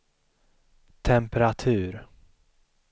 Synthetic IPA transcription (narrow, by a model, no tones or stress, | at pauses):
t̪ʰɛmpɛɾat̪ʰʉ̟ːɾ